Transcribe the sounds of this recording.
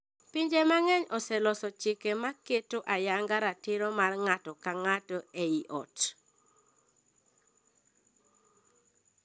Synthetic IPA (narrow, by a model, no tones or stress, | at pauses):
piɲd͡ʒemaŋɛɲɔsɛlɔsɔt͡ʃɪkemaketoʔajaŋɡaɾatɪɾɔmarŋatɔkaŋatɔeiʔɔ̰t